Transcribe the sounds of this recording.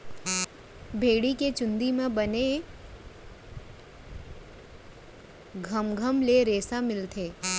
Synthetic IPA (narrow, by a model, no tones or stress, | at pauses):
bʱeːɽiket͡ʃʊ̃nd̪imẽbəne | ɡʱəmɡʱəmleɾeːsamɪlt̪ʰeː